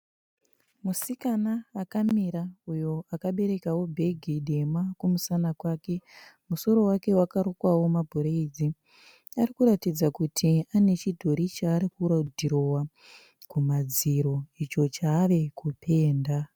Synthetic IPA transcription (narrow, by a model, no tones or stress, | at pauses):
musikanaːkamiɾaujo̞akaɓe̞ɾe̞kawo̞bʱe̞ɡʱiɗe̞makumusanakwaːke̞muso̞ɾo̞wake̞wakaɾokwawo̞mabʱoɾeid͡zi | arikuɾatid͡zakutʰiane̞t͡ʃidʱo̞ɾit͡ʃaːɾikuɾadʱiɾo̞wa | kumad͡ziɾo̞it͡ʃo̞t͡ʃaːʋe̞kupʰe̞ːnda